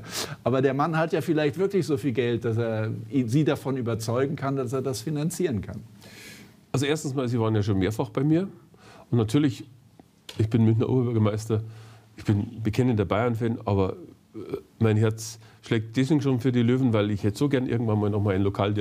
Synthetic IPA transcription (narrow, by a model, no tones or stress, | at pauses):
ʔaːbɐdeːɐmanhatjaːfɪlaɪçtv̥ɪɐklɪçz̥oːfiːlɡɛlt̚d̥as̬eːɐziːdafɔnyːbɐt͡sɔʏɡŋ̩kʰandas̬eːɐdasfinant͡siːʁənkʰa̰n | ʔalzoʔeːɐstn̩smaːlziːvaːʁənjaːʃ̬oːnmeːɐfaχb̥aɪmiːɐ | ʔʊntnatʰyːɐlɪç | ɪçb̥ɪnmʏnçnɐ̰ʔo̰bɐbʏɐɡɐmaɪstɐʔɪçb̥ɪnbəkʰɛnəndeɐbaɪɐnfɛnʔa̰ːbɐ | maɪnɦɛɐt͡sʃlɛːk̚t̚d̥ɛs̬v̥eɡŋ̩ʃoːnfyːɐdiːløːvn̩vaɪlɪçhɛtəz̥oːɡɛɐnʔɪ̰ɐɡŋ̩tvanmaːlnɔχmaːlɪnlokʰaːldi